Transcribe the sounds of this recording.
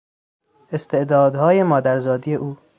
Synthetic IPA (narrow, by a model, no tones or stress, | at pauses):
e̞st̪ʰe̞ʔd̪ɒːd̪hɒːjemɒːd̪æɾzɒːd̪ije̞ʔuː